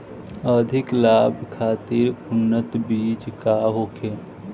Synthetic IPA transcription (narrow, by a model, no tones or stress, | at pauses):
əd̪ʱɪklaːbʱkʰaːt̪ɪɾʊnːət̪biːt͡ʃkaɦoːkʰeː